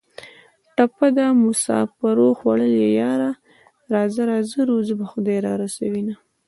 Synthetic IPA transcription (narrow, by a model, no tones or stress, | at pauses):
ʈapad̪amʊsɑ̰faɾoxwaɽəlejɑɾa | ɾɑzaɾɑzəɾuzəbaxʊd̪ɑjɾɑ̰ɾasawina